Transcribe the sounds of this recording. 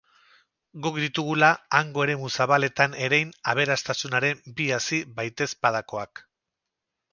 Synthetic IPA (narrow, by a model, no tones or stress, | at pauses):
ɡokd̪it̪uɣ̞ulaːŋɡo̞e̞ɾe̞musaβale̞t̪ane̞ɾejnaβ̞e̞ɾast̪asunaɾe̞mbiasiβajt̪e̞spað̞ako̞ak